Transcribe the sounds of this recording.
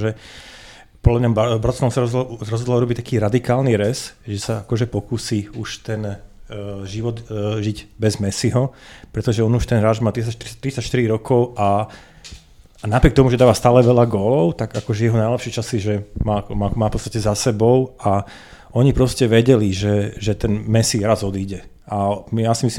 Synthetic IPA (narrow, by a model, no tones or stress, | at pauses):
ʒɛ | pɔd̪lamɲabbɾɔt̪nɛɔsaɾɔzɔɾɔzɦɔd̪lauɾɔbict̪ḁkiːɾad̪ikaːlniɾɛsʒɛsaakɔʒɛpɔkuːsiuʃt̪ɛn | ʒiʋɔd̪ʒiɟbɛzmɛsiɦɔpɾɛt̪ɔʒɛɔnuʃt̪ɛnɦɾaːʒmaːt̪ɾiat̪t̪ːɾit͡sacʃt̪iɾiɾɔkʰɔʊa | napɾɪɛk̚t̪ɔmuʒɛd̪aːʋast̪aːlɛʋɛʎaɡɔːlɔʊt̪aɡakɔʒɛjɛɦɔnajlɛpʃɛt͡ʃasiʒɛmakɔmaːmaːfpɔtt͡sst̪acɛzasɛbɔʊa | ɔɲipɾɔscɛʋɛɟɛliʒɛʒɛt̪ɛnmɛsiɾazɔd̪iːɟɛ | ʔamjasimisli